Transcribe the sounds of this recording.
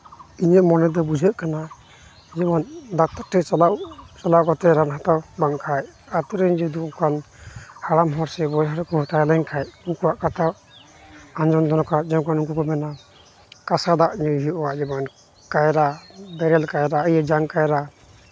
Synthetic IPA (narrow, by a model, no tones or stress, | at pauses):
iɲəʔmɔnɛd̪ɔbud͡ʒʱəʔkana | d͡ʒɛmɔnd̪at̪aʈɛt͡ʃalawt͡ʃalaʔkɔt̪ɛɾanɦat̪awbaŋkʰajat̪uɾɛɲd͡ʒud̪uɔkan | haɽamɦɔɾsɛbɔjɦaɾkɔhɔt̪ajlɛɲkʰajukuaʔkat̪ʰa | and͡ʒɔnd̪ɔnɔkad͡ʒɛkanuŋk̬ukɔmɛna | kasad̪aʔɲujɦiʔɔwad͡ʒɛman | kajɾabɛɾɛlkajɾaəjəd͡ʒaŋkajɾa